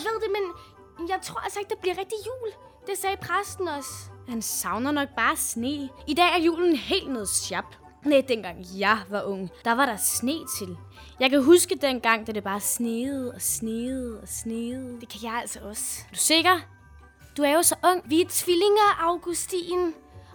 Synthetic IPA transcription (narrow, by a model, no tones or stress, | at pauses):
jɑɪʋe̝ð̞̰ˠd̥e̝men | jɑ̈ɪt͡sʰʁo̝ɐæl̰sɐeɡ̥̚d̥ëb̥liɐ̰ʁɛɡ̥̚d̥ijṵːl | d̥esɛːpʰʁasd̥n̩ɒ̽shænsɑ̈ʊnɐnɒ̽ɡ̥̚b̥ɑ̈ːsne̝̰ːid̥ɛ̰ːæɐjṵːln̩ɦe̝̰ːld̥nɔːð̩ˠsjɑ̈b̥ | ned̥enɡ̥ɑ̈ŋ̰jɑ̈ɪʋɑ̈ʔɔ̽ŋ̰d̥ɑ̈ʋɑ̈ɾɑ̈sne̝̰ːt͡sʰe̝l | jɑ̈ɪkʰæɦusɡ̥əd̥enɡ̥ɑ̈ŋ̰d̥æd̥e̝b̥ɑ̈ːsne̝ːð̩ˠɒ̽sneːð̩ˠɒ̽sneːð̩ˠd̥e̝kʰæjɑ̈ɪæl̰sɐʔɒ̽sd̥use̝ɡ̥ɐ | d̥uæɐjo̝sɒ̽ʔɔ̽ŋ̰ʋit͡sʰʋile̝ŋɐʔɑ̈ʊɡ̥usd̥ḭːn